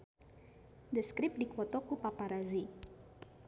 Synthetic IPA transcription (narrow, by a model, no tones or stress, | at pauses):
d̪əskɾip̚dikwɔt̪ɔkupapaɾazi